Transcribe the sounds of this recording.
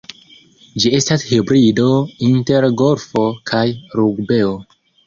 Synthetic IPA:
d͡ʒie̞stashibɾido̞inte̞ɾɡo̞ɾfo̞kʰajɾuɡbe̞o

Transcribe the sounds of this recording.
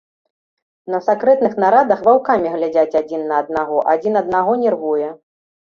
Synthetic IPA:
nɐsakɾɛt̪nɨxnaɾad̪ɐxvawkamʲiɣlʲad͡zʲat͡sʲad͡zʲinːɐːd̪̚naɣɔʔad͡zʲinɐd̪naɣɔnʲɛrvujɛ

